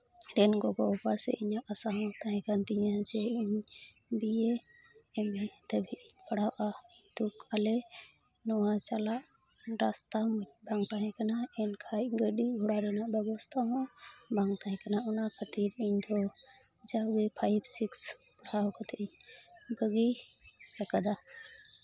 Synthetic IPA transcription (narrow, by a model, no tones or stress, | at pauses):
ɾɛnɡɔɡɔɔpasɛ̰ʔiɲaʔəsaɦɔ̃t̪aɦɛ̃kant̪iɲad͡ʒɛiɲ | bijɛ | ɛmɛd̪əbʱipəɽ̤awʔad̪̥ukalɛ | nɔwat͡ʃalaʔ | ɾast̪abaŋɡt̪aɦɛ̃kanaɛnkʰajɡəɖiɡʱɔɽaɾɛnaʔbɛbɔst̪ʰaɦɔ̃baŋɡt̪aɦɛ̃kanaɔnakʰət̪iɾiɲd̪ɔ | d͡ʒaɡipʰajbsiks | ɾawkat̪ʰɛiɲbəɡiɾakad̪a